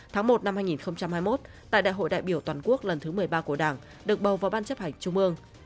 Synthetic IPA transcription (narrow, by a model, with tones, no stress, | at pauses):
t̪ʰaː˨˦ŋmo˨˩t̚na˧mhaː˧jŋi˨˩nxə˧wŋ͡mt͡ɕa˧mhaː˧jmo˦˥t̚ | t̪a̰ː˧˨ɗa̰ː˧˨jɦo̰˧˨jɗa̰ː˧˨jɓi˧˩əwt̪waː˨˩nku˦˥ək̚lə˨˩nt̪ʰɨ˨˦mɨ˨˩əjɓaː˧ku˧˩əɗaː˧˩ŋ | ɗɨ˨˩ək̚ɓə˨˩wvaː˨˩wɓaː˧nt͡ɕə˦˥p̚ha˧˩jŋ̟t͡ɕʊ˧ŋ͡mʔɨ˧əŋ